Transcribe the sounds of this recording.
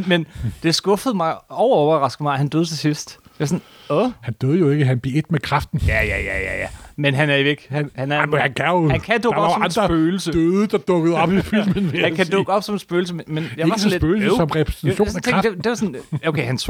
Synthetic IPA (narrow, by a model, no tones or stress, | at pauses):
mend̥e̝sɡ̥ɔ̽fəð̩ˠmɑ̈ɪɒʊɐɒʊɐʁɑ̈sɡ̥ð̩mɑ̈ɪhænd̥øːð̞ˠt͡sʰe̝sisd̥ɑɑsn | ɔhænd̥øːðˠjoe̝ɡ̥əɦænb̥ie̝d̥mekʰʁɑfd̥n̩jæjæjæjæjæmenɦænæɐjo̝e̝ɡ̥hænhænæɐhænkʰæohænkʰæd̥ɔɡɒ̥̽ssɒmɑnsd̥ʁɐb̥øːl̩sədøːðˠəd̥ɑ̈d̥ɔ̽ɡ̥əð̞̩ˠɒ̽b̥ifyllmenʋeækʰæd̥ɔɡ̥ɒ̽b̥sɒ̽mensb̥øːl̩s̬əmemenjɑ̈ʋɑ̈sɒnledbøːl̩sosɒ̽mʁɛpʰʁɛ̥snt͡sʰæɕo̝̰snnt͡sʰeɡd̥ed̥e̝ʋɑsɔnokʰeɪhæns